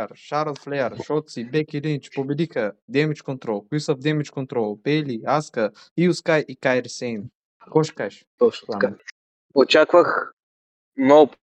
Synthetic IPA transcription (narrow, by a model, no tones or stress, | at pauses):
ɾʃaɾlˠflɛəɾʃɔt̪sibɛkilint͡ʃpobɛd̪ixəd̪ɛmit͡ʃkont̪ɾɔlˠkoisəvd̪ɛmit͡ʃkont̪ɾɔlˠpɛliaskə | iuskajʔikajɾsɛn | kɔʃkaʃɔʃa | ot͡ʃakvəx | nɔ